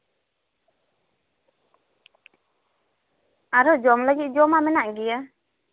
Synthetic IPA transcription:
aɾɔd͡ʒɔmləɡit̪̚ˀd͡ʒɔmamɛnaʔɡija

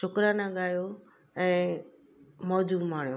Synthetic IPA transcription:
t͡ʃʰʊkɾanãɠaːjo | ɛ̃ː | mɔːd͡ʑuːmaːɳ̤joː

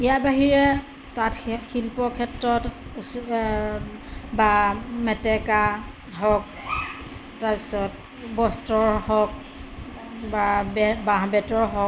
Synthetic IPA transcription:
ijabaɦiɹɛ | tatxilpɔkʰɛtɹɔt | bamɛtɛka | ɦɔk̚ | taɹpi̥sɔt | bɔstɔɹhɔk̚ | babaɦbɛtɔɹɦɔk

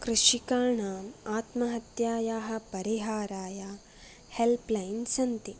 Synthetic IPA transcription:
kɾɨʃikaːɳaːmaːt̪mɐɦɐt̪jaːjaːɦɐ̆pɐɾiɦaːɾaːjaː | helplɐjnsɐnt̪i

